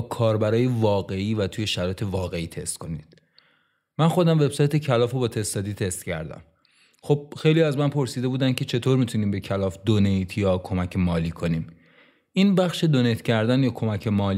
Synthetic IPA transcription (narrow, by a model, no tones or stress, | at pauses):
kʰɒːɾbæɾɒːjevɒːɣe̞iːvæt̪ʰuːje̞ʃæɾɒːjet̪ʰe̞vɒːɣe̞iːt̪ʰe̞st̪kʰo̞nḭːd̪̥ː | ænxo̞d̪æmve̞b̥sɒːjt̪ʰe̞cʰælɒːfebɒːt̪ʰe̞sd̪ɒːd̪iːt̪ʰe̞st̪cʰæ̰ɾd̪æ̰m | xo̞b̥̚xe̞jlijæzmænpʰo̞ɾsiːd̪e̞buːd̪æncʰe̞t͡ʃʰe̞t̪ʰoːɾmit̪ʰuniːmbe̞cʰælɒːfd̪onejt̪ʰjɒːkʰo̞mæcʰemɒːliːkʰo̞niːm | ʔinbæxʃe̞d̪onejt̪cʰæɾd̪ænjɒːkʰo̞mæcʰe̞mɒːl